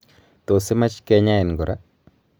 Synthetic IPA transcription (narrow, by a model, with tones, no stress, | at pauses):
to˨sɪ˦ma˦t͡ʃkɛ˦ɲa˦ɪ˨nɡo˨ɾʔa˦